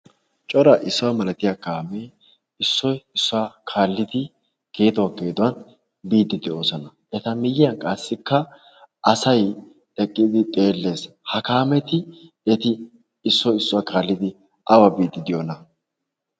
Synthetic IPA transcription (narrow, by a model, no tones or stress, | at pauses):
t͡ʃʼɔɾɐʔɪsːɔwamɐlɐt̪ɪjakaːmeː | ɪsːɔjɪsːʊwakʰaːlːɪd̪ɪ | keːt̪ʊwɐɡe̞ːt̪ʊwɐn | biːd̪ːɪd̪ɪo̞ːsɔnɐ | ʔɛt̪ɐmɪjːɪjɐnkʼasːɪkːɐ | ʔɐsɐj | ɛkʼːɪd̪ɪt̪ʼe̞ːlːe̞ːs | hɐkaːmɛt̪ɪ | ɛt̪ɪ | ɪsːɔjɪsːʊwaːkaːlːɪd̪ɪ | ʔɐwɐbiːd̪ːɪd̪ɪjonɐ